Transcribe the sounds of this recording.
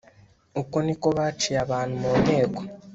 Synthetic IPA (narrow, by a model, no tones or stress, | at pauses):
ukonikoβat͡ʃijaβaːn̤umoneːɡwa